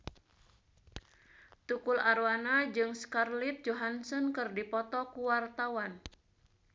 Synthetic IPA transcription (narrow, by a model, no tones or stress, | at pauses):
t̪ukʊlaɾwanad͡ʒɨŋskarlit̪̚d͡ʒoɦansɔnkɨrdipɔt̪ɔkuwart̪awan